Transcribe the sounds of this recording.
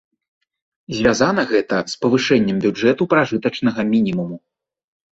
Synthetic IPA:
zʲvʲazanɐɣɛt̪ɐspɐvɨʂɛnʲːɛmbʲud͡ʐɛt̪upɾaʐɨt̪ɐt͡ʂnɐɣɐmʲinʲimumu

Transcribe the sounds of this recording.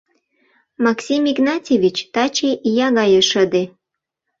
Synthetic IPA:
mɑksʲimiɡnɑtʲevʲit͡ɕt̪ɑt͡ɕejɑɣɑjəʃəd̪e

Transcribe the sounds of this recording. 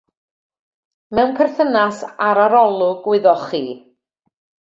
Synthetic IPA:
mɛwnpʰɛrθənasaɾaɾɔlˠʊɡwɪðɔχḭː

